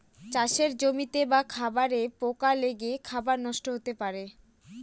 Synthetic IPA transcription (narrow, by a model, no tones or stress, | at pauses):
t͡ɕaʃeɾd͡ʑomit̪ebakʰabaɾepokaleɡekʰabaɾnɔʃʈoɦot̪epaɾe